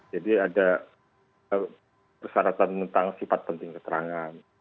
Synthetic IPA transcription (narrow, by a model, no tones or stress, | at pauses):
d͡ʒadiada | ə | pərsaɾat̪ant̪ənt̪aŋsifat̪̚pənt̪ɪŋkət̪əɾaŋan